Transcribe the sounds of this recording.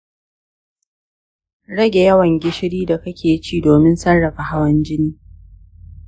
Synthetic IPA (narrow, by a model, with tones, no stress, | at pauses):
ɽɐ˦ɡʲe˨jɐ˦wɐ˨ŋɡʲɪ˦ʃɪ˦ɽiː˦da˨kɐ˦kʲeː˨jt͡ʃiː˦doː˨mɪ˦nsɐ˦rːɐ˨ɸa˨ha˦wɐ˦nd͡ʒɪ˦niː˦